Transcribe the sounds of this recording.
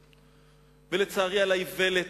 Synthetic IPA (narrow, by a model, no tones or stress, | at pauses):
velet͡saːʁialajivele